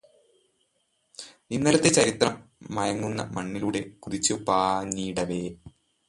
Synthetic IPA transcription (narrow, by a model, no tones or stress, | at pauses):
inːɐlɐt̪ːet͡ɕɐɾit̪ːrɐmːɐjɐŋːunːɐ̰mɐɳːiluɽe̞kuðit͡ɕːɨpaːniːɽɐʋeː